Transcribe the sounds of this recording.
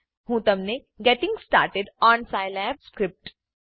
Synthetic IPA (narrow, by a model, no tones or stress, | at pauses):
ɦũːt̪ɐmne | ɡɛʈɪ̃ŋɡsʈa̰ːɾʈeɖɔ̃ːnsaːɪlɛːbskɾɪp̚ʈ